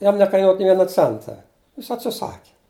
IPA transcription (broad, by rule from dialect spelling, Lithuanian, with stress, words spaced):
ˈjɛm nʲɛkɐɪˈnuɔt nʲeː ˈʋʲiɛnɐ ˈt͡sʲɛntɐ jɪs ɐtʲsʲɪˈsɑːkʲɪ